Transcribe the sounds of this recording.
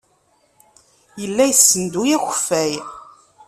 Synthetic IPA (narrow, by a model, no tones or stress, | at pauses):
jəlːæjəsːənd̪ujæçfæj